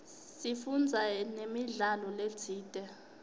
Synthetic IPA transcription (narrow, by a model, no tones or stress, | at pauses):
sifund͡zʱanemiɮalɔledʰʱiːtʼɛ